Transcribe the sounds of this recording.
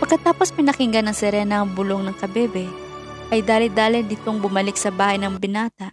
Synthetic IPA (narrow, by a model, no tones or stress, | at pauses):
pɐɡ̚kːɐt̪aːpo̞spɪnɐkɪŋɡɐnɐŋsɛɾɛːnɐɐŋbʊloŋnɐŋkɐbɛbɛ | ʔɐjd̪aːlɪd̪aːlɪnd̪ɪt̪oŋbʊmɐlɪk̚sɐbaːhɐjnɐŋbɪnaːt̪ɐʔ